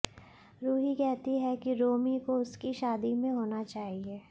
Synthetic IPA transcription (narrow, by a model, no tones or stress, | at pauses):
ɾuːɦikɛɦt̪iɦɛkiɾoːmikoʊskiʃaːd̪imẽɦoːnat͡ʃaːɦieː